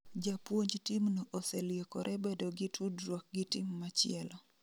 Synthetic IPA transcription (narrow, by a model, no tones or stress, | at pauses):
d͡ʒapwoɲd͡ʒtimnoʔosɛljekɔɾʔɛbedoɡɪtʰudɾwɔk̚ɡɪtɪmːat͡ʃɪɛlɔ